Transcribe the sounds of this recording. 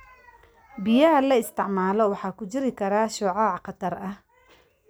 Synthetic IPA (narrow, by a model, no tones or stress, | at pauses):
bɪjɐɦɐlɐɪst̪ʰɪʕmaːlɔwɑħɑːkʰʊt͡ʃɪɾɪkʰɐɾaːʃʊʕɑːʕqɑt̪ʰɐrɐh